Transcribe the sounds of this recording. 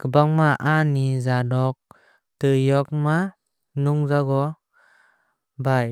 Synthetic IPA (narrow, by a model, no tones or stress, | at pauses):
kəbaŋmaʔanizadɔk̚ | tɯjɔk̚ma | nuŋzaɡɔ | baj